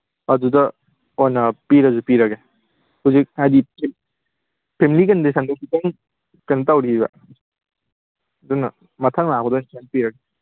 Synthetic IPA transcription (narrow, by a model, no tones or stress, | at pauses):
ɐdudɐ | ojnɐpiɾɐd͡ʒupiɾɐɡe | huzik̚adi | pʰemilik̬ɐndisɐndɐsitɐŋ | kɐnɐtawɾiiba̰ | dunɐ | mɐtʰɐŋlabɐdɔnsʰanpiɾɐɡe